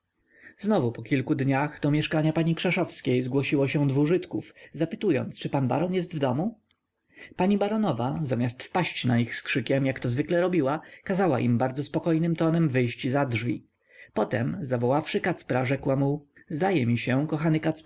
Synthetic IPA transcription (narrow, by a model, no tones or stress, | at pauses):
znɔvupɔkʲilkud̪ɲaxd̪ɔmʲjɛʂkaɲapaɲikʂɛʂɔfskʲejzɡwɔɕiwɔɕɛ̃d̪vuʐɘt̪kufzapɘt̪ujɔ̰nt̪st͡ʂɘpanba̰ɾɔnjɛst̪vd̪ɔmu | paɲibaɾɔnɔvazamʲast̪fpaɕt͡ɕnaixskʂɘkʲɛmjakt̪ɔzvɘklɛɾɔbʲiwakazawa̰ʔḭmbaɾd̪zɔspɔkɔjnɘmt̪ɔnɛmvɘjɕt͡ɕizadʐvʲḭ | pɔt̪ɛmzavɔwafʂɘkat̪spɾaʐɛkwamu | zd̪ajɛmʲiɕɛ̃kɔxanɘkat̪sp